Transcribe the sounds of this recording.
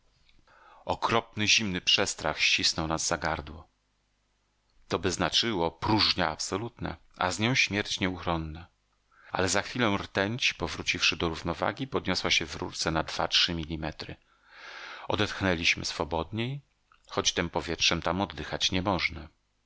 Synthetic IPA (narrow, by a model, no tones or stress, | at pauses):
ɔkɾɔp̚nɘʑimnɘpʂɛst̪ɾaxɕt͡ɕisnɔwnazːaɡaɾd̪wɔ | t̪ɔbɘznat͡ʂɘwɔpɾuʐɲaapsɔlut̪na̰ | ʔa̰zɲɔ̃w̃ɕmʲjɛɾt͡ɕɲɛuxɾɔnːa | a̰lɛzaxfʲilɔ̃w̃ɾt̪ɛɲt͡ɕi̥pɔvɾut͡ɕifʂɘd̪ɔɾuvnɔva̰ɡʲipɔd̪ɲɔswaɕɛvɾṵt̪sɛnad̪v̥a̰tʂɘmʲilʲimɛt̪ɾɘ̰ | ɔd̪ɛt̪xnɛlʲiɕmɘ̰sfɔbɔd̪ɲej | xɔt͡ɕt̪ɘmpɔvʲjɛtʂɛmt̪amɔd̪ːɘxat͡ɕɲɛmɔʐnɛ